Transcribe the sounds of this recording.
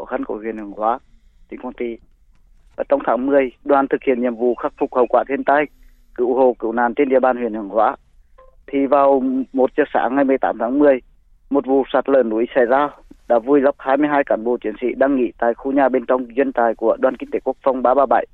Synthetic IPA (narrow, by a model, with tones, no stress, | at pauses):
o˧˩xa˧nko̰˧˩hwi˨ənhɨ˨˩əŋhwaː˨˧˦ | t̪ʰḭ˧˨ŋkɔ˧nt̪i˧˩ | vaː˨˩t͡ɕɔ˧wŋ͡mt̪ʰaː˨˦ŋmɨ˨˩əjɗwaː˨˩nt̪ʰɨ˨˩k̚hḭ˧˨ənɲḭ˨əmvṵ˧˨xa˦˥k̚fʊ˨˩k̚hə˨˩wkwa̰ː˧˨t̪ʰi˧ənt̪a˧j | kɨ̰˧˨who˨˩kɨ̰˧˨wna̰ː˨nt͡ɕe˧nʔḭ˧əɓaː˧˩nhwi˧˨ənhɨ˨˩əŋhwa̰ː˨˧˦ | t̪ʰi˨˩vaː˨˩wmo˨˩t̚t͡ɕɨ˦˥ək̚sa̰ː˧˦ŋa˨˧˩jmɨ˧əjt̪aː˨˦mt̪ʰaː˨˦ŋmɨ˨˩əj | mo˨˩t̚vṵ˧˩˨saː˨˩t̚ləː˧˩nːṵ˧˦ʔi˨˦sa˧˩jzaː˧ɗa̰ː˧˥vu˧jlə˦˥p̚haː˧jmɨ˧əjɦaː˧jka̰ː˧˩nɓo˧˩t͡ɕi˨˧˥ənsḭ˧˥ɗaː˧ŋŋḭ˧˨t̪aː˨˩jxu˧ɲaː˧˩ɓe˧nt͡ɕɔ˧wŋ͡mzwi˧nt̪aː˨˩jku˧˩əɗwaː˧˩nki˧ŋt̪e˧˦ku˦˥ək̚fa˧wŋ͡mɓaː˧ɓaː˧ɓa˧˩˨j